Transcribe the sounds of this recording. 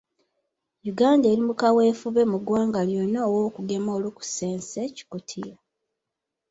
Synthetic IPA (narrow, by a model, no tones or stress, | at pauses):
juɡaːnde̞ːɾimukawe̞ːfuβe̞muɡwaːŋɡaljonaːwoːkuɡe̞moːluku̥se̞ːnseci̥kutʰija